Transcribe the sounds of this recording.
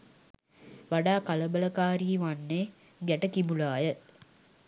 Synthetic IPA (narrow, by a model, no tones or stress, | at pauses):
ʋaɖaːkaləbələkaːɾiːʋanːeː | ɡæʈəkimulaːjə